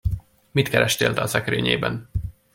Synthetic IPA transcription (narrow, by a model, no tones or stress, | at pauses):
mit̪kɛɾɛʃt̪eːlt̪ɛɒsɛkɾøːɲeːbɛn